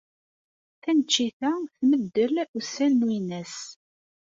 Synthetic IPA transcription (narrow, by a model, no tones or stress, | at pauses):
θænət͡ʃːiθæθməd̪ːəlusːælnwinæs